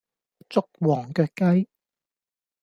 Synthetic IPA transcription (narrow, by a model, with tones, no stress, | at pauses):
t͡sʊ˥k̚wɔː˨˩ŋkœː˧kɐ˥j